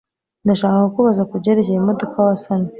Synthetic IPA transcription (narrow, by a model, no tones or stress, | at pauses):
ndaʃaːkakukuβazakuɟeɾecejemodo̞kawasana